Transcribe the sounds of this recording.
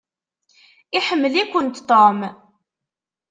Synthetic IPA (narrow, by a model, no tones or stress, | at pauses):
iħəmːəlikʷənt̪t̪om